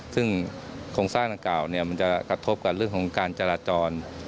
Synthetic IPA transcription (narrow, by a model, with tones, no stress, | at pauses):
sɯ˥˩ŋkʰoː˧ŋsaː˥˩ŋda˧ŋkaː˨˩wni˥˩ɐma˧nt͡ɕa˨˩kɾa˧t̪ʰo˦˥p̚ka˧˩p̚ɾɯ˥˩əŋkʰɔ˩˦ŋkaː˧nt͡ɕa˧laː˧t͡ɕɔː˧n